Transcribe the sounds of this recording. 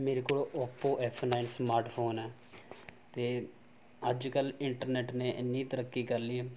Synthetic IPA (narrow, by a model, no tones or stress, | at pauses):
meːɾeːkoːlːʔoːpoːʔɛːpʰnaːɪnsmaːɾʈpʰoːnɛː | t̪eː | əd͡ʒkəlɪɳʈəɾneːʈnẽːʔnːĩːt̪əɾəkːiːkəɾlieː